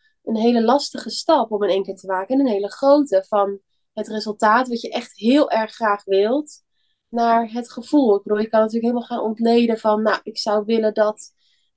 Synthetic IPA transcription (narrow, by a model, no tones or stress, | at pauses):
ʔənɦejləlɑstəχəstɑpɔmənejŋkɪːɹtəmaːkənənɦejləχrowtəvɑn | ɦətrɪzəlˠtaːtʋɑtjəʔɛχtɦɪːlˠʔɛɹχːraːχʋɪlˠt | naːɹɦətχəv̥ulˠɪɡ̚bəduːljəkɑnaɐtyːləkɦeːləmalˠχaːnɔntlejdənvɑnːaʔɪksʌwʋɪləndɑt